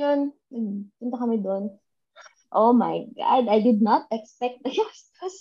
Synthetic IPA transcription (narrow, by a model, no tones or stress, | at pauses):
on | nɐɡpʊnt̪ɐkɐmɪd̪oʔn | ʔoma̰jɡa̰d̪ajd̪ɪd̪̚nat̪̚ɛkspɛk̚t̪̚d̪ɐjɔst̪os